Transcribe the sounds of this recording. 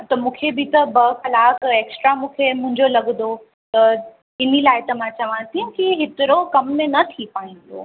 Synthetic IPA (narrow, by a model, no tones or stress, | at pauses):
t̪ɐmũːkʰebɪt̪ɐbɐxɐlaːkeːksʈɾamũːkʰemʊ̃ɦɪ̃ɲd͡ʑolɐɡ̪d̪o | t̪ɐ | ɪnilaːɪt̪ɐmãt͡ɕɐʋãsiũkiɦɪt̪ɪɾokɐmːẽnɐt̪ʰipaːĩn̆d̪o̰ː